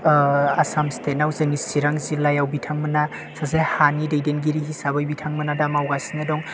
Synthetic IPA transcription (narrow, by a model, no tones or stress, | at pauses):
asamstʰenawzeŋisiɾaŋzilajawbitʰaŋmɐna | sazehanidejdenɡiɾiɦisaβajbitʰaŋmɐnadamawɡasinadɔŋ